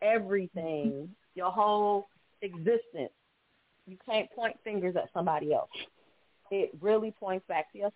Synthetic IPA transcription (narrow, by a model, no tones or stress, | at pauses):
ɛvɹiθɪ̃ŋ | jə˞ɦoʊlˠ | ɨɡzɪstɨ̰̃ns | jɨkʰæ̃npʰɔ̃ɪ̃ntfɪ̃ŋɡə˞zɨ̰tsʌ̃mbɑɾiɛ̰lˠs | ɪt̚ɹɪlˠipʰɔ̃ɪ̃ntsb̥æk̚tʰɨʌs